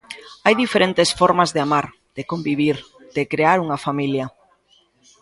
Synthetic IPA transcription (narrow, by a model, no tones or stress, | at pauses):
ajðifeɾent̪esfɔɾmazðeamaɾ | d̪̥ekombiβ̞iɾ | d̪̥ɪkɾeaɾuŋɐfamiljɐ